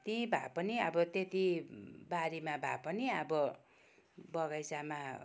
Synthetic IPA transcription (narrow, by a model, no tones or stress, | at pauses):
t̪ĩbʱa̰pʌniʌbʌt̪et̪ibaɾimabʱa̰pʌniʌbʌ | bʌɣʌjsama